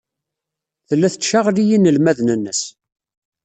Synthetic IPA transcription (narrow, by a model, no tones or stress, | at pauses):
θəlːæθət͡sːʃaʁlijinəlmæðnənːəs